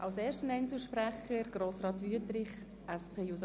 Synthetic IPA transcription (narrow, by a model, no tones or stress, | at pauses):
ʔɑwsɛːʃtənɛɪnt͡suʃpɾæχəɾɡ̥ɾoːsɾɑːt̪ʋyətɾɪχ | ʔɛspʰeːjus